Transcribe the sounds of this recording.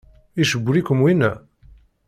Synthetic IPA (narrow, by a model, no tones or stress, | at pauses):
iʃəbːlikʷəmwinæ